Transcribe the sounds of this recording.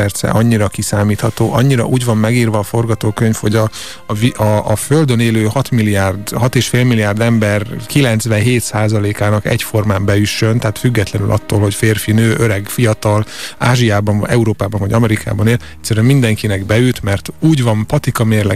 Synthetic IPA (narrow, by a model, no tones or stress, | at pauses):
ɛrt̪sɛ̰ʔɒɲːiɾɒkisaːmiːt̪hɒt̪oːʔɒɲːiɾɒ̰ʔuːɟvɒmːɛɡiːrvɒːfo̞rɡɒt̪oːkøɲfhoɟɒ | viɒːføld̪øneːløːhɒt̪milːiaːrd̪ɦɒt̪eːʃfeːlmilːijaːrd̪ɛmbɛrkilɛnt̪sʋɛnɦeːt̪saːzɒleːkaːnɒkɛ̰cfo̞rmaːmbɛjyʃːø̞nt̪ɛːt̪fyɡːɛt̪lɛnylʔɒ̰t̪ːoːlho̞cfeːrfinøːʔøɾɛɡfijɒt̪ɒlaːʒijaːbɒɱ̰ɛuɾoːpaːbɒɱvɒɟɒmɛɾikʰa̰ːbɒneːlɛt̪ʲsːɛɾyɛmind̪ɛŋkinɛɡbɛylt̪mɛrt̪uːɟvɒmpɒt̪ikɒmeːrlɛ